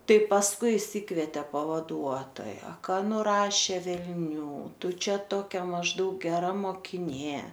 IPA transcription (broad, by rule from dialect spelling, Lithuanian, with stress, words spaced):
ˈtɐɪ pɐsˈkʊɪ ɪʃʲˈsʲɪkʋʲɛtʲeː pɐʋɐˈduɔtoːjɛ ˈkɐ nʊˈrɑːʃʲeː ʋʲɛlʲˈnʲuː ˈtʊ ˈt͡ʃʲɛ ˈtoːkʲɛ mɐʒˈdɐʊk ɡʲɛˈrɐ moːkʲɪˈnʲeː